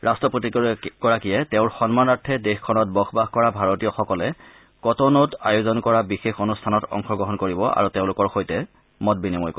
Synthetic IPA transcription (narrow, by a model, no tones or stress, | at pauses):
ɹastɹɔpotikɔɹakijɛteʊ̃ɹxɔnmanatʰːɛdexkʰɔnɔt̚bɔxʰbaxkɔɹabʱaɹotijɔxɔkɔlɛ | kɔtɔnɔtajozɔnkɔɹabixexonustʰanɔtɔ̰ŋxʰɔɡɹɔɦɔnkoɹibɔʔa̰ɹuteʊ̃lʊkɔɹxojtɛ | mɔt̚binimojko